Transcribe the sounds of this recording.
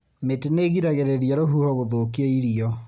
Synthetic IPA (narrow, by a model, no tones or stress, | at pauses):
meteneːɣiɾaɣeɾeɾiaɾoɦuhɔɣoðoːkieiɾiɔ